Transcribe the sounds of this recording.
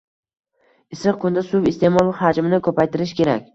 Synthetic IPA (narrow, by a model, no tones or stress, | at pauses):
ɪsɾɨq̚kʰʊnd̪asʊvɪst̪ʰe̞mɒlˠhad͡ʒmɪnɪkʰɵpajt̪ʰɪɾɪʃkʲe̞ɾakʲ